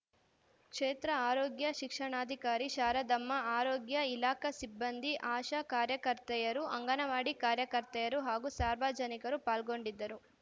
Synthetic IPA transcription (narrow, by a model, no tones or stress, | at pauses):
kʂeːt̪ɾɐaːɾɔːɡjɐʃikʂɐɳaːd̪ʱikaːɾiʃaːɾɐd̪ɐmːɐaːɾɔːɡjɐilaːkɐsibːɐnd̪ʱiʔaːʃɐkaːɾjɐkɐɾt̪ɐjɐɾuʔɐŋɡɐnɐʋaːɽikaːɾjɐkɐɾt̪ɐjɐɾuɦaːɡusaːɾʋaːd͡ʒɐnikɐɾupaːlɡo̞ɳɖid̪ːɐɾu